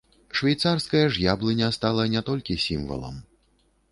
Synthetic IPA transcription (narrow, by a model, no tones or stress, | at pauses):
ʂvʲajt̪sarskɐjɐʐjablˠɨnʲɐst̪alˠɐnʲat̪ɔlʲkʲisʲimvɐ̰lˠɐ̰m